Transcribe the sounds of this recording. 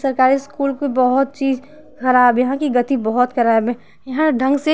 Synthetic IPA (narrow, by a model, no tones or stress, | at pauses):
sɐɾkaːɾiskuːlkibɔɦɔt̪̚t͡ʃiːz | xɐɾaːbjɐɦãkiɡɐt̪ibɔɦɔt̪kʰɐɾaːbẽ | jɐɦãɖʱɐ̃ŋɡse